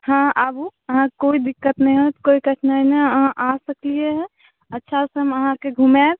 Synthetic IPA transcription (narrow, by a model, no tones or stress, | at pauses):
hãəbuəɦãkoid̪ikːət̪nəjɦot̪koikəʈʰnanəəɦãʔasəklieɦɛ̃ | ətːʃʰaseəməɦãkeɡʱumeb